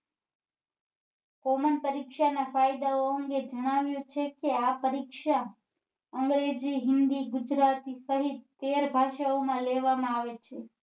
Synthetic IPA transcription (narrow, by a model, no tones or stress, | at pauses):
komənpəɾikʃanafajd̪aoəŋɡed͡ʒəɽ̃aʋjũt͡ʃʰekeapəɾikʃa | əŋɡɾed͡ʒiɦɪnd̪iɡʊd͡ʒɾat̪isəɦit̪̚ːeɾbʱaʃaomãleʋamãaʋet͡ʃʰe